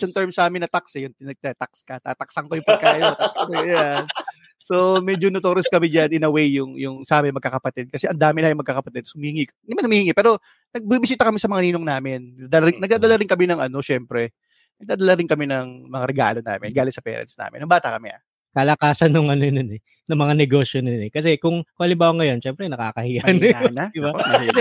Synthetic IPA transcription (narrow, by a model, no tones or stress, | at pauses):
jʊŋt̪ɛɹmsʔaːmɪnːɐt̪aksɪjʊnt̪ɪnɐt̪at̪akskɐt̪a̰ːt̪ɐksɐŋkojʊŋpɐkaːʔɪot̪akɪjan | so̞mɛd͡ʒonot̪oːɾɪskɐmɪd͡ʒanɪnɐwɛjjʊŋjʊŋsaːmɪnmɐɡ̚kːaːkɐpɐt̪ɛd̪̚kɐsɛʔɐnd̪aːmɪnɐjʊŋmɐɡ̚kːaːkɐpɐt̪ɛd̪̚sohʊmihɪŋikd̪ɪmanhʊmiːhɪŋipɛːɾo̞ | nɐɡ̚bibɪs̬iːt̪ɐkɐmɪsɐmɐŋaniːnoŋnaːmɪnɐd̪ɐlɾɪŋnɐɡ̚d̪aːd̪ɐlaɾɪŋkɐmɪnɐŋʔɐno̞ʃɛmpɾɛ | nɐɡ̚d̪aːd̪ɐlaɾɪŋkɐmɪnɐŋmɐŋaɾɛɡa̰ːlo̞na̰ːmɪ̰nɡaːlɪt̪sɐpɛ̰ːɾɐ̰nsna̰ːmɪ̰nɐŋbaːt̪ɐkɐmɛʔɐ̰ | kɐlɐkaːsɐnːʊŋʔɐnononɛ | nɐmɐŋanɛɡoːʃjononɛkɐs̬ɛkʊŋkʊŋʔɐlɪmbaːwɐŋɐjo̞nʃɛmpɾɛnɐka̰ːkɐhɪjɐnanɐd̪ɪbamɐkɐsɛ